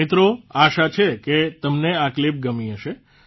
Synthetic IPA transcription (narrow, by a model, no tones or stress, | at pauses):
ɪt̪ɾoaʃat͡ʃʰeket̪əmneaklip̚ɡəmiəʃe